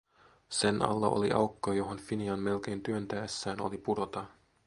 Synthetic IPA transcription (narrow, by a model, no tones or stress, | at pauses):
se̞nɑ̰lːɑʔo̰liʔɑwkːɑjo̞ɦonfiniɑnme̞lk̟e̞jnt̪yønt̪æːsːæːno̞̰lipuɾo̞t̪ɑ